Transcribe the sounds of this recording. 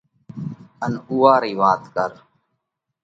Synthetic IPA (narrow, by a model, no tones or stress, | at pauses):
ənuːaːɾiːʋaːt̪kəɾ